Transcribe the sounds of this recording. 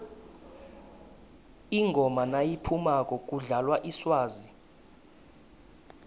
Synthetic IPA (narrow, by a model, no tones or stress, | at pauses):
iŋɡʱɔmanajipʰumakʼɔk̬ʼuɮalwaʔiswaːzi